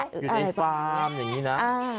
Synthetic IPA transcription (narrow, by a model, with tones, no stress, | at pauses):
u˨˩ʔa˧ɾa˧jfaaː˧mja˨˩ŋːiː˦˥na˦˥aː˧